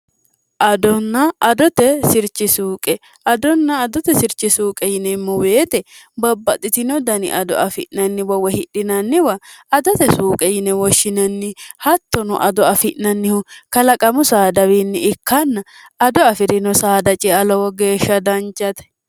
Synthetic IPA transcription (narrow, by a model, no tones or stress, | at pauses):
ʔɐd̪ɔnːɐʔɐd̪ɔt̪ɛsɪɾt͡ʃːɪsuːkʼɛ | ɐd̪ɔnːɐːd̪ɔt̪ɛsɪɾt͡ʃɪsuːkʼɛjɪnɛmːʊwe̞ːt̪ɛbɐbːɐt̪ʼɪt̪ɪnɔd̪ɐnɪ̰ʔɐd̪ɔ̰ʔɐfɪ̰ʔnɐnːɪwɐwɛhɪɗɪnɐnːɪwɐɐd̪ɔt̪ɛsuːkʼɛjɪnɛwɔʃːɪnɐnːɪhɐt̪ːɔnɔ̰ʔɐd̪ɔɐfɪʔnɐnːɪhʊkɐlɐkʼɐmʊsaːd̪ɐwiːnːɪɪkʰːɐnːɐɐd̪ɔɐfɪɾɪnɔsaːd̪ɐt͡ʃʼɛɐlɔwɔɡe̞ːʃːɐd̪ɐnt͡ʃʼːɐt̪ɛ̥